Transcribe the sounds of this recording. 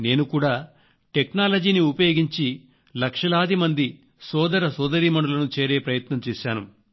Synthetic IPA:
ne̞ːnukuːɽaː | ʈeknaːlɐd͡ʒiːniupɐjoːɡiɲt͡ʃi | lɐkʂɐlaːd̪imɐnd̪i | sɔːd̪ɐɾɐsɔːd̪ɐɾiːmɐɳɖulɐnut͡ʃe̞ːɾe̞ːpɾɐjɐt̪nɐmt͡ʃeːʃaːnu

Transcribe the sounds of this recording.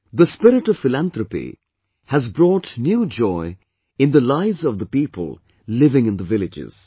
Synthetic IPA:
ðəspɪɾɪʈʌv̥fɪlæ̃nt̪ɾəpḭ | hæzbɾɔːʈnjuːd͡ʒɔɪ | ɪ̃nd̪əlaɪvzʌvd̪əpiːpʰə̰lˠ | lɪvɪ̃ŋɪ̃nd̪əvɪlɪd͡ʒɪ̰z̥

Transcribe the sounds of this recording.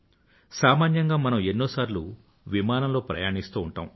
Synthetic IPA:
saːmaːnjɐŋɡaːmɐnɐmenːo̞ːsaːɾlu | ʋimaːnɐmlo̞ːpɾɐ̰jaːɳist̪uːuɳʈa̰ːm

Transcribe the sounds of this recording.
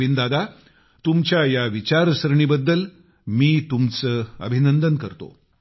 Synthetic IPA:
ind̪ad̪ʱa | t̪umt͡ɕjajaʋit͡ɕaɾsɾɳiːbəd̪ːəl | miːt̪umt͡səːə̰bʱinənd̪ənkəɾt̪o̰

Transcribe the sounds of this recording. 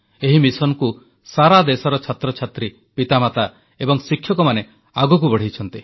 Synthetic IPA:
eɦimisɔnku | saɾad̪esɔɾɔt͡ʃʰat̪ɾɔt͡ʃʰat̪ɾi | pit̪amat̪a | ebɔŋsikʰːjɔkɔmane | aɡuk̬ubɔɽ̤it͡ʃʰɔnt̪i

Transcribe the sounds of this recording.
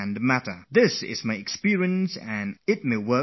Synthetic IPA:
nmæɾə̰˞ðɪsɪ̰zmaɪɨkspɪɹiɨ̃nnsɨ̃nɪt̚meɪwɜ˞

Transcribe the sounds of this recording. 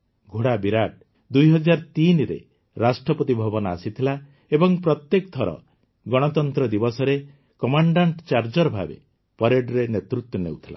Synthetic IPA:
ɡʱoɽabiɾaʈ̚ | d̪ujɦɔd͡ʒaɾt̪inɾḛ | ɾasʈɾɔpɔt̪ibʱɔbɔnɔasit̪ʰila | ebɔŋpɾɔt̪jek̚t̪ʰɔɾɔ̰ | ɡɔɽ̃ɔt̪ɔnt̪ɾɔd̪ibɔsɔɾe | kɔmaɳɖaɳʈt͡ʃaɾd͡ʒɔɾbʱabḛ | pɔɾeɖɾenet̪ɾut̪jɔnḛwt̪ʰila̰

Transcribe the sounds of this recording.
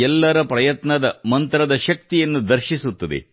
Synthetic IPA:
ɛlːɐɾɐpɾɐjɐt̪nɐd̪ɐmɐnt̪ɾɐd̪ɐʃɐk̚t̪ijɐnːud̪ɐɾʃisut̪ːɐd̪ḛ

